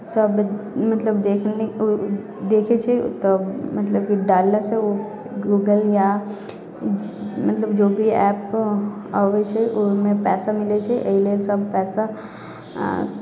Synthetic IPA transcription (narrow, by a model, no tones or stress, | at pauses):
sɐbmɐt̪ləbd̪eːkʰne | d̪eːkʰet͡ʃʰet̪omɐt̪ləb̚kiɖaːlːaseo | ɡuːɡəlja | mɐt̪ləbd͡ʒoːbʱiɛːp | aːʋet͡ʃʰɛʔʊmẽpɛːsamɪlet͡ʃʰɛʔḛileːlsɐbpɛːsa